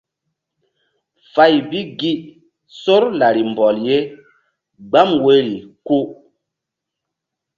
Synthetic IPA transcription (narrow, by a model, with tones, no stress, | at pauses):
fa˨jbi˦ɡi˦ʔ | so˦ɾla˨ɾi˨m˨bɔ˨lje˦ | ɡ͡ba˦mwe˦ɾi˨ku˦